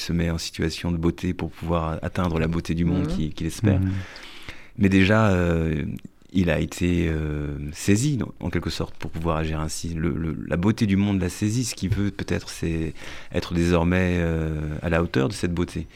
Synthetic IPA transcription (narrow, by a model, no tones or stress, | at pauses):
səmɛɑ̃si̥t̪ɥasjɔ̃d̪əbot̪ʰepuʁpʰuvwaʁa̰t̪ɛ̃d̪ʁəlabot̪ed̪ymɔ̃d̪kʲikʲilɛspɛ̰ːʁ | mɛd̪eʒaø | ila̰et̪ʰeøseziɑ̰̃kʲɛlkəsɔʁt̪puʁpuvwaʁaʒiʁɛ̃silə̰lə̰lʔa̰bot̪ed̪ymɔ̃d̪lasezisə̥kʲivøpøt̪ɛt̪χəsɛɛ̰t̪χəd̪ezɔʁmɛøa̰laot̪œʁd̪əsɛt̪̚bot̪ʰe